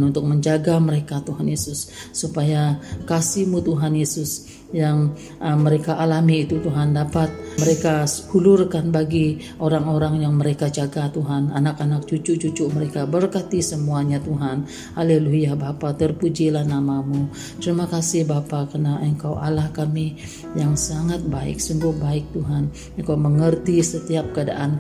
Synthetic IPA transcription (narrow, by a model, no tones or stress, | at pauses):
nunt̪ʊk̚məɲd͡ʒaɡaməɾekat̪uɦanjesʊsːupajakasimut̪uɦanjesʊs | jaŋ | əməɾekaʔalamiːt̪ut̪uɦandapat̪̚məɾekahulʊrkanbaɡi | oɾaŋoɾaŋjaŋməɾekad͡ʒaɡat̪uɦananakanak̚t͡ʃut͡ʃut͡ʃut͡ʃʊʔməɾekabərkat̪isəmuaɲat̪uɦan | aleluɦijahbapat̪ərpud͡ʒilahnamamu | t̪əɾimakasɪhbapakənaʔəŋkawʔalahkami | jaŋsaŋat̪̚baɪ̰k̚səmbʊhbaɪk̚t̪uɦan | əŋkawməŋərt̪isət̪iap̚kəada̰ʔan